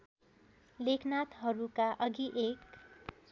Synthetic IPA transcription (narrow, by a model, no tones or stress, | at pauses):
lekʰnat̪ɦʌɾukaʔʌɡiʔek